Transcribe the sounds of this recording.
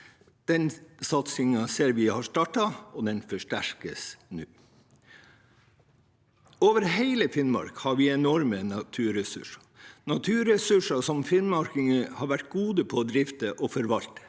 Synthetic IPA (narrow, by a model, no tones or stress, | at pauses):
d̪̥ɛnsɑt̪sɪŋɑseːɾʋɪːhɑːʂtɑʈɑɔːd̪ɛnfɔʂʈæɾkəsnʉː | oːʋəɾheɪləfɪnmɑ̰ɾkhɑːɾʋiːɛnɔɾmənɑt̪ʰʉːɾɛsʉ̰ʂɑ̥ | nɑt̪ʰʉːɾɛsʉʂɑsɔmfɪnmɑɾkɪŋəhɑːɾʋæʈ̚ɡuːd̪əpʰɔd̪ɾɪft̪əʔɔːfɔɾʋɑlt̪ə̥